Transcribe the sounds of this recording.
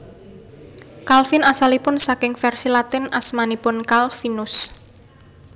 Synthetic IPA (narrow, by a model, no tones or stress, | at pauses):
kalfinasalipʊnsakɪŋfɛrsilat̪ɪnasmanipʊnkalfinʊs